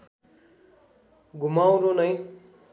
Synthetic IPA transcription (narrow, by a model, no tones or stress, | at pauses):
ɡʱumaw̃ɾonʌj